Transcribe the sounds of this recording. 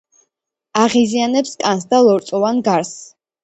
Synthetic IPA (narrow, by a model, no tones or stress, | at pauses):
aʁizianɛpskʼansd̪alˠɔɾt̪sʼɔvanɡaɾs